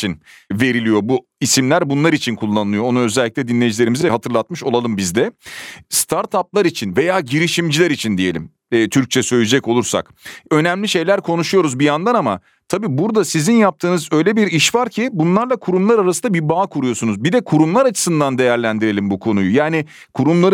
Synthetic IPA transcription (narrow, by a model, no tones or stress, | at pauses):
it͡ʃʰinve̞ɾilʲijo̞bu | isimlʲæɾbunlˠaɾit͡ʃʰinkʰulˠːanɯlˠɯjo̞onuø̞zɛlʲːicʲlʲɛd̪inlʲejid͡ʒilʲe̞ɾimiziɛɦat̪ʰɯɾlˠat̪mɯʃo̞lˠalˠɯmbizd̪ɛst̪ʰaɾt̪ʰap̚lˠaɾit͡ʃʰinve̞jaːɟiɾiʃimd͡ʒilʲæɾit͡ʃʰind̪ije̞lʲḭmː | t̪ʰyɾc̚t͡ʃʰɛsø̞jlʲed͡ʒɛko̞lˠuɾsa̰k | ø̞næmlʲiʃe̞jlʲæɾkʰo̞nuʃujo̞ɾuzbijand̪anama̰ | t̪ʰabiːbuɾd̪asizinjap̚t̪ʰɯːnɯzø̞jlʲebiɾiʃvaɾcʰibunlˠaɾlˠakʰuɾumlˠaɾaɾasɯnabiɾbaːkʰuɾujo̞sunuzbid̪ɛkʰuɾumlˠaɾat͡ʃʰɯ̥sɯnd̪and̪e̞jæɾlʲænd̪iɾe̞lʲimbukʰo̞nujujaːni | kʰuɾumlˠaɾɯ